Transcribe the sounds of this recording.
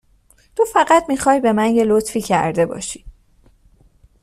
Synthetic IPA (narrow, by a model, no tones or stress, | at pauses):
t̪ʰofæɢæt̪miːxɒːjbe̞mæɲɟelot̪fiːcʰæ̰ɾd̪e̞bɒ̰ːʃi̥